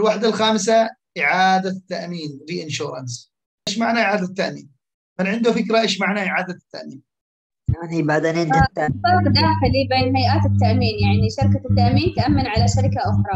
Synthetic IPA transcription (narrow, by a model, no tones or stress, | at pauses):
ʔɪlwaːħd̪alxaːmsaʔɪʕaːd̪at̪ːaʔmiːndiʔɪnʃuːɾˤɑ̰ns | ʔeːʃmaʕnaʔɪʕaːd̪at̪ːaʔmiːn | mɪnʕɪnd̪ufɪkɾaʔeːʃmaʕnaʔɪʕaːd̪at̪ːa̰ʔmiːn | anhibad̪anɪnaːafɑqd̪aːxɪlibeːnhajʔaːt̪ɪt̪ːaʔmiːnjaʕniʃɑɾkat̪ːaʔmiːnt̪aʔamːanʕalaʃaɾɪkaʔʊxɾˤɑ